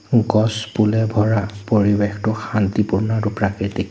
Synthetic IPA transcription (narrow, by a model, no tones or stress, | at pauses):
ɡɔspulɛbʱɔɹapoɹibextʊxant̪ipuɹnɔɹʊpɹakitik